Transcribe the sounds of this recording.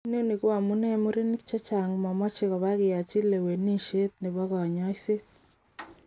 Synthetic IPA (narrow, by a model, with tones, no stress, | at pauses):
no˦ni˨kwa˨mu˦ne˦mu˦ɾi˦ni˦kt͡ʃe˦t͡ʃa˨ŋ˨mɔ˨mɔ˦t͡ʃe˦ɣɔ˨βa˦ɣɪ˨ja˨t͡ʃi˦le˨we˨ni˦ʃe˦t̪nɪ˨βɔ˦ɣɔ˨ɲɔ˦i˦se˦t̚